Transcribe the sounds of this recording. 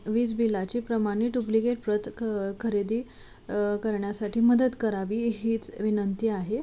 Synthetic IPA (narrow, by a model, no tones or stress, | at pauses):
ʋiːt͡sbilːat͡ɕiːpɾəmaɽ̃iːɖuplikeʈ̚pɾət̪kʰəɾed̪iː | kəɾɳjasaʈʰiːməd̪ət̪kəɾaʋiːɦiːt͡sʋinənt̪iːaɦe